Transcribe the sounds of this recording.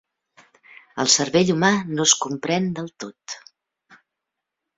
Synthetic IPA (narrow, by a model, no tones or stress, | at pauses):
əlˠsəɾβeʎumanoskumpɾɛnd̪əlˠt̪ot̪